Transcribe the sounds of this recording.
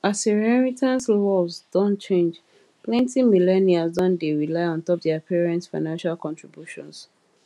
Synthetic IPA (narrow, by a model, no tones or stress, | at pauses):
asɛɹɛɹitʰãnslɔsdɔ̃nt͡ʃẽnd͡ʒ | plɛ̃ntimilɛniasdɔ̃ndeɹilaɪɔ̃ntɔp̚dɛapʰiɹɛ̃nsfaɪnãnʃalkɔ̃ntɹibjuʃɔ̰̃ns